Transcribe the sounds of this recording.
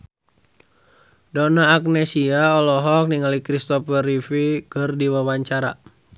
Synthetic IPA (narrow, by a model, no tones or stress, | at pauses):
dɔnaːk̚nɛsiaɔlɔɦɔk̚niŋalikɾist̪ɔpərifikɨrdiwawaɲt͡ʃaɾa